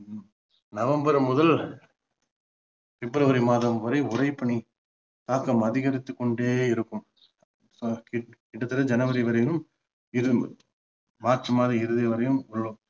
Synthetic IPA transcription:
nɐʋɐmbɐɾmʊðɐl | fɪbɾɐʋɐɾimaːðɐmʋɐɾɐɪʊɾɐɪpːɐɳi | t̪aːkːɐmɐðɪɣɐɾɪt̪ːɯkːɔɳɖeːɪɾɯkːɯm | kɪkɪɽɐt̪ːɪlɐd͡ʒɐnɐʋɐɾɪʋɐɾɐjɪnɯm | ɪɾɯ | maːʈrɯmaːðɐɪɾɯðɐʋɐɾɐjɯmʊɭːɯm

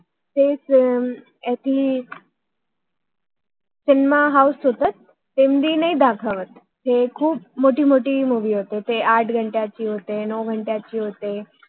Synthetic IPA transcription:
t̪es | jat̪ʰiː | sinmaɦausɦot̪at̪̚ː | emd̪ʱiːnaid̪akʰəʋət̪ | ɦekʰuːp̚moʈiːmoʈiːmuʋiːɦot̪et̪eʔaʈʰɡʱəɳʈjat͡ɕiːɦot̪enɔʋɡʱəɳʈjat͡ɕiːɦot̪e

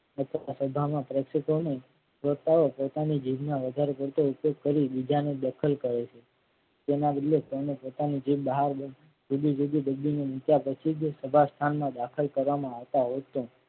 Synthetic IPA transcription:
ət̪ʰəasəbʱamãpɾeksək̪one | ʋəɾt̪aopot̪anid͡ʒiʋnãʋəd̪ʱaɾepəɽt̪oupjoɡ̚kəɾibid͡ʒaned̪əkʰəlkəɾet͡ʃʰe | d͡ʒenabəd̪lekonepot̪anid͡ʒiʋbəɦaɾbə | d͡ʒud̪id͡ʒud̪id̪əɡːinenɪt̪japət͡ʃʰid͡ʒsəbʱast̪ʰanmãd̪akʰəlkəɾʋamãaʋt̪aɦot̪õ

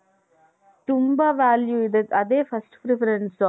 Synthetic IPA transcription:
t̪ʊmbaʋaːljuɪðɯkːɐðeːfɐsʈpɾɪfɐɾɛɳsɔː

